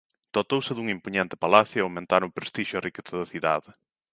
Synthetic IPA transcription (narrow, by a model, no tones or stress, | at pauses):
d̪̥ot̪owsɪðuŋimpuɲent̪ɪ̥palaθjʊeawmẽnt̪aɾʊpɾest̪iʃʊerikeθaðɐθiða̰ðɪ